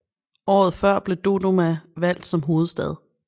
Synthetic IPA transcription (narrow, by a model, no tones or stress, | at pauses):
ɒ̰ːð̩ˠfɶɐ̰b̥le̝d̥o̝do̝mæʋæl̰d̥sɒ̽mɦo̝ːð̞̩ˠsd̥ɛð̞ˠ